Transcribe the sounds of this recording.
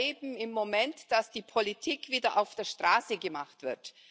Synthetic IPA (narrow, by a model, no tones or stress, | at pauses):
eːbm̩ɪmːomɛntd̥asd̥iːpʰolitʰiːkv̥iːdɐʔaʊfd̥eːɐʃtʁ̥aːsəɡəmaχtv̥ɪ̰ɐt